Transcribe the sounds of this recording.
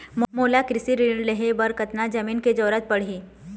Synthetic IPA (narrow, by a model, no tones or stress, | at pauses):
mmoːlakɾɪsiɾileɦebɐɾkət̪nad͡ʒɐmiːnked͡ʒɔːɾət̪̚pɐɽ̤ɦi